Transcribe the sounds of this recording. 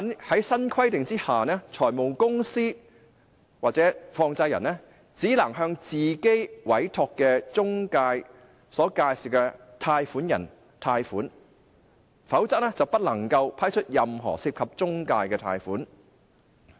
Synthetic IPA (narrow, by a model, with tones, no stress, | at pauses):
ɐ˥nhɐ˨˥jsɐ˥nkʰɐ˥jt̪ɪ˨ŋt͡siː˥haː˨nɛː˥t͡ʃʰɔː˨˩jmo˨wkʊ˥ŋsiː˥ | waː˨k̚t͡sɛː˨˥fɔː˧ŋt͡sɐ˧jɐ˨˩nɛː˥ | t͡siː˨˥lɐ˨˩ŋɦœː˧ŋt͡siː˨˩ke˥jwɐ˨˥jt̪ʰɔː˧kːɛː˧t͡sʊ˥ŋkaː˧j | sɔː˨˥kaː˧jsiː˨˩wkɛ˧t̪ʰaː˧jfuː˨˥njɐ̰˨˩n | t̪ʰaː˧jfuː˨˥n | fɐ˨˥wt͡sɐ˥k̚nɛː˥t͡sɐ˨wpɐ˥t̚lɐ˨˩ŋkɐ˧wpʰaː˥jt͡ʃʰɵ˥t̚jɐ˨mɦɔ̰ː˨˩siː˧p̚kʰɐ˨p̚t͡sʊ˥ŋkaː˧jkɛː˧t̪ʰa̰ː˧jfuː˨˥n